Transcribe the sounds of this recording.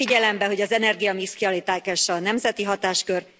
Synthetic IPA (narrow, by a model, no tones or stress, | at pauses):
iɟɛlɛmbɛɦo̞ɟɒzɛnɛrɡijɒmiskiɒlit̪aːkɛʃɒnɛmzɛt̪iɦɒt̪aːʃkø̞r